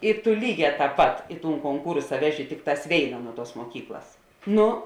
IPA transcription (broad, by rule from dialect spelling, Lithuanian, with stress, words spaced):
ɪ tʊ ˈlʲiːˌɡʲɛː tɑːp ˈpɐt ɪ tuːn koːŋˈkuːrsɐ ˈʋʲæːˌʒʲɪ ˈtʲɪkˌtɑːs ˈʋʲeːɪnɐ ˈnuɔ ˌtuɔs muɔˈkʲiːklˠɐs ˈnʊ